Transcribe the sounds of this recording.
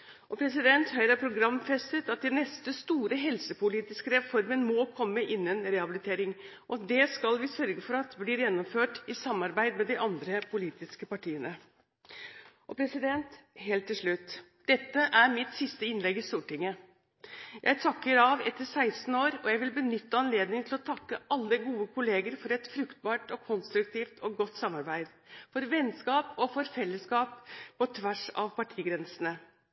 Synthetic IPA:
ʔɔpʰɾɛsɪd̪ɛnt̪hœɾɑpʰɾʊɡɾɑmfɛst̪ət̪ɑt̪̚d̪ɛnːɛst̪əst̪uːɾəɦɛlsəpʊliːt̪ɪskəɾɛfɔɾmənmɔkʰɔmːəʔɪnːənɾɛhɑbɪlɪt̪ʰeːɾɪŋʔɔɑt̪d̪ɛskɑlʋɪsœɾɡəfɔɾɑt̪bliːɾjɛnːɔmføːʈɪsɑmːɑɾbæɪd̪mɛd̪ɪʔɑnd̪ɾəpʰʊliːt̪ɪskəpɑʈʰiːənə | ʔɔpʰɾɛsɪd̪ɛnt̪ɦeːlt̪ʰːɪlʂɭʉt̪ːd̪̥ɛt̪ːəʔæɾmɪt̪sɪst̪əɪnlɛɡɪst̪uːʈɪŋːə | jʔæ̰ɪt̪ʰɑkːəɾɑʋɛt̪ːəɾsæɪsn̩oːɾɔjæɪʋɪlbənʏt̪ːəɑnleːd̪nɪŋt̪ʰɪlɔt̪ʰɑkːəʔɑlːəɡuːəkʰʊleːɡəɾfɔɾɛt̪fɾʉkt̪̚bɑːʈɔkʰʊnst̪ɾʉk̚t̪iːft̪ʰɔɡɔt̪ːsɑmːɑɾbæɪd̪fɔɾʋɛnskɑːpɔfɔɾfɛlːəskɑːppʰɔt̪ʰʋæʂɑ̰ʋpɑʈʰiːɡɾɛnsənə

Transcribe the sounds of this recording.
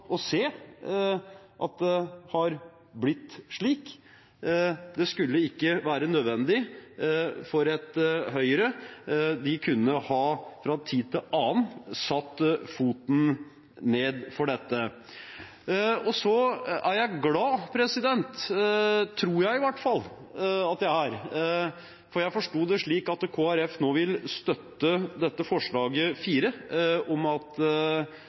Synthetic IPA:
ʔɔseː | ʔɑ̰t̪̚d̪ɛhɑɾ | blɪt̪ːʂɭiːk | d̪ɛskʉlːəɪkːəʋæːɾənød̪ʋɛnd̪ɪ | fɔɾɛt̪ɦœʏɾəd̪ɪkʰʉnːəhɑːfɾɑːt̪ʰiːd̪̚t̪ʰɪlɑːnsɑt̪ːfuːt̪n̩ | neːd̪fɔɖɛt̪ːə | ɔsɔæɾjæɪɡlɑːpʰɾɛsɪd̪ɛnt̪ | t̪ʰːɾuːɾjæɪɪʋæʈːfɑlː | ɑt̪̚d̪æɪæɾ | fɔɾjæɪfɔʂʈuːd̪ɛʂɭiːkɑt̪kʰoːæɾɛfnoːʋɪlst̪œt̪ːəd̪ɛt̪ːəfɔʂɭɑːɡəfiːɾəɔmɑt̪

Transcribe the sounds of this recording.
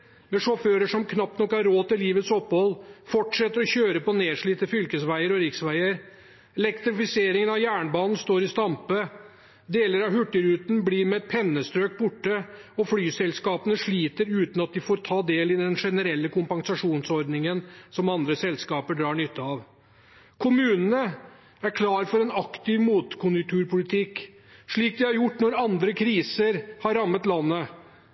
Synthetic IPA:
mɛʂɔføːɾəʂɔmkʰnɑpːnɔkːæɾːoːt̪ɪliːʋət̪sɔpːhɔlːfɔʈʂɛt̪ːəɾɔçøːɾəpɔneːʂɭiːt̪əfʏlkəsʋæɪəɾɔɾɪksʋæɪəɾ | ɛlɛkt̪ɾɪfɪseːɾɪŋənɑʋjæːɳbɑːnn̩st̪oːɾɪst̪ɑmpə | d̪eːləɾɑʋɦʉʈːəɾʉːt̪nbliːɾmɛɛt̪̚pʰɛnːəst̪ɾøːk̚bʊʈːə | ɔflyːsɛlskɑːpənəʂɭiːt̪əɾʉːt̪n̩ɑt̪̚d̪ɪfoːɾt̪ʰɑːd̪eːlɪd̪ɛnʂɛnəɾɛlːəkʊmpɑŋsɑʂuːnsɔɾd̪nɪŋənsɔmɑnd̪ɾəsɛlskɑːpəɖɾɑːɳʏt̪ːəɑʋ | kʰʊmʉːnənə | æɾkʰlɑːɾfɔɾɛnɑkt̪ɪʋmuːt̪kʰʊnjʊk̚t̪ʰʉːɾpʊlɪt̪ʰɪkː | ʂɭiːk̚d̪ɪhɑɾjʊʈːnɔɾɑnd̪ɾəkʰɾiːsəɾhɑɾːɑmːət̪lɑnːə

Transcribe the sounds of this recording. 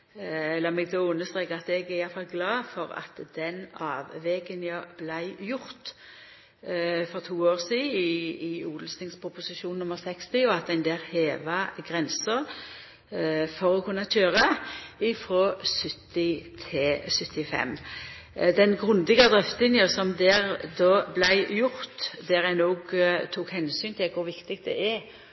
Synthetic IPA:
ɛlːəmɛɡ̚d̪oʊnəst̪ʁeːkəɑt̪ɛɡæɪjɑfɑlɡlɑːfɔʁɑ̰t̪d̪ɛnɑːʋʋɛɡənjɑb̥læɪjʊʁt̪ | fɔʁt̪ʰuːoːʁsiːɪɪuːd̪l̩snɪŋspʰʁʊpʊsɪʃuːnnʊməʁsɛkst̪ɪɔɑt̪̚æɪnd̪eːɾheːʋɑɡʁɛnsəʁ | fɔʁɔkʰʉnːɑtʰøːʁəɪfɾoːsʏt̪ːɪt̪ʰɛsʏt̪ːɪfɛ̰m | d̪ɛnɡʁʉnd̪ɪɡəd̪ʁɛft̪ənjəsɔmd̪ɛʁd̪oːblæɪjʊʁt̪d̪ɛʁæɪnoːɡt̪ʰuːkhɛnsyːnt̪ʰɪlkʰʊɾʋɪkt̪ɪɡ̚t̪d̪ɛ̰ʔɛɾ

